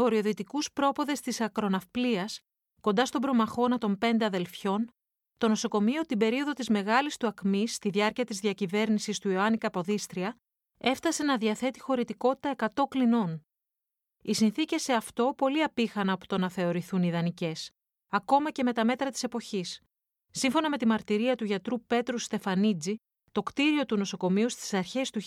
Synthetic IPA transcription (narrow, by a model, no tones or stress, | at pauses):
o̞ɾio̞ðit̪ikuspɾo̞po̞ðe̞st̪isɐkɾo̞nɐfpliɐs | ko̞nd̪ɐst̪o̞bɾo̞mɐxo̞nɐt̪o̞mpe̞nd̪e̞ɐðe̞lfço̞n | t̪o̞no̞so̞ko̞mio̞t̪ibe̞ɾio̞ðo̞t̪izme̞ɣɐlist̪uɐkmist̪iðʝɐɾciɐt̪izðiɐcive̞ɾnisist̪uioɐnikɐpo̞ðist̪ɾiɐ | e̞fθɐse̞nɐðiɐθe̞t̪i̥xo̞ɾit̪iko̞t̪i̥t̪ɐe̞kɐt̪o̞klino̞n | isinθice̞se̞ɐft̪o̞po̞liɐpixɐnɐpo̥t̪o̞nɐθe̞o̞ɾiθuniðɐnice̞s | ɐko̞mɐce̞me̞t̪ɐme̞t̪ɾɐt̪i̥se̞po̞çisː | iɱfo̞nɐme̞t̪imɐɾt̪iɾiɐt̪uʝɐt̪ɾupe̞t̪ɾust̪e̞fɐnid͡zi | t̪o̞kt̪iɾio̞t̪uno̞so̞ko̞miust̪i̥sɐɾçe̞st̪u